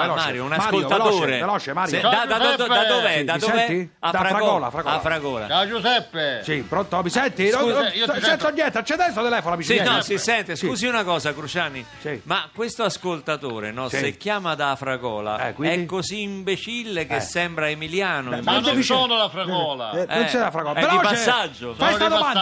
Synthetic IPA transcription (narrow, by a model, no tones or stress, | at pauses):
lɔmːaːɾjounasakolt̪at̪oːɾeelɔt͡ʃemaːɾjaad̪ad̪oɛd̪od̪ad̪oved̪ad̪ovei | afɾafɾaɔlafɾaɡɔafɾaɡɔːla̰ad͡ʒusɛpːesipɾont̪omisɛnt̪inoit͡ʃɛnt̪onːjɛnt̪eat͡ʃːɛd̪ɛnst̪ot̪elɛːfonamisinɔsisɛnt̪eskuːziunakɔːsakɾut͡ʃaːni | simakːwest̪oaskolt̪at̪oːɾenɔssekːjaːmad̪aːfɾaɡɔ̰ːla̰ɛ̰kwiɛkːoziːmbet͡ʃilːekesːɛmbɾaemiljaːnoiaefioːnolafɾaɡɔːla̰onsɛlafɾaɡɔapeɾɔipsːad͡ʒːofajsad̪oa